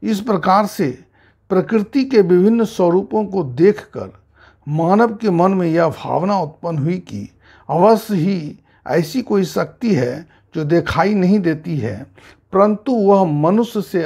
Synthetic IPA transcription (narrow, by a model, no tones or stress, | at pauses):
ɪspɾɐkaːɾse | pɾɐkɾɪt̪ikeʋɪbʱɪnːswəɾuːpõkod̪eːkʰkə̰ɾ | maːnəʋkemɐnmẽjabʱa̰ːʋnaʊt̪pənɦʊikḭ | ɐʋəsɦi | ɛ̰ːsikoːisɐk̚t̪iɦɛ | d͡ʒoːd̪eːkʰaːinɐɦĩd̪eːt̪iɦɛ̰ː | pəɾə̃nt̪uʋəɦmɐnʊsjəse